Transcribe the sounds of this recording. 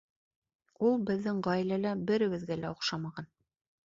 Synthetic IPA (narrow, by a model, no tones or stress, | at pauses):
ulˠbɘ̆ðːɘɴʁɑjilælæbɘ̆ɾɘ̆wɘ̆ðɡælæŏqʃɑmɑʁɑn